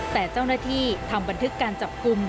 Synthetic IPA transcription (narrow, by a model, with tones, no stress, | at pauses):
t̪ɛː˨˩t͡ɕa˥˩wnaː˥˩t̪ʰiː˥˩t̪ʰa˧mba˧nt̪ʰɯ˦˥kːaː˧nt͡ɕa˨˩p̚ku˧m